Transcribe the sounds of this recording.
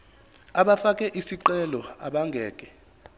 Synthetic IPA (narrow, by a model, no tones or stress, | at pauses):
aɓafakʼɛʔisiǃɛlɔa̰ɓaŋɡʱɛːkʼɛ